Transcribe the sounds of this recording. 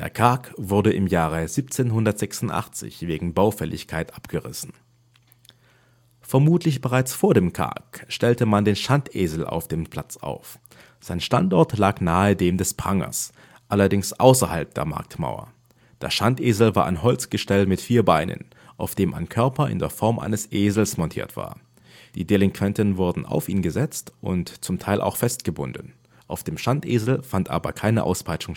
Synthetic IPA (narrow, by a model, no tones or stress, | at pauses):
d̥eːɐkʰaɐkvʊɐdəʔɪmjaːʁəziːp̚t͡seːnɦʊndɐtz̥ɛksʊn̩tʔa̰χt͡sɪ̰çv̥eːɡŋ̩baʊfɛlʔɪ̰çkʰaɪtʔapɡ̥əʁɪ̰sn̩ | fɛɐmuːtʰlɪçb̥əʁaɪt͡sfoːɐdeːmkʰa̰ɐkʃtɛltəmandeːnʃantʔeːzl̩ʔa̰ʊfd̥eːmpʰl̥a̰t͡sa̰ʊf | z̥aɪnʃtantʔɔɐtlaːknaːədeːmdɛspʁ̥aŋɐ̰s | ʔalɐdɪŋsʔaʊsɐhalp̚d̥ḛːɐma̰ɐk̚tma̰ʊɐ̰ | d̥ḛːsʃantʔeːzl̩vaːɐʔa̰ɪnɦɔlt͡sɡ̥əʃtɛlmɪtfiːɐbaɪnə̰n | ʔaʊfd̥eːmʔa̰ɪnkʰœɐpɐʔɪ̰ndḛːɐfɔɐmʔa̰ɪnəsʔeːzl̩smɔntʰḭːɐtv̥a̰ːɐ | d̥iːdelɪŋkʰv̥ɛntənvʊɐdn̩a̰ʊfiːnɡəzɛt͡stʔʊntt͡sʊmtʰaɪlʔa̰ʊxfɛst̚ɡ̥əbʊ̰ndn̩ | ʔaʊfd̥eːmʃantʔeːzl̩fantʔa̰ːbɐ̰kʰaɪnə̰ʔa̰ʊspʰaɪt͡ʃʊŋ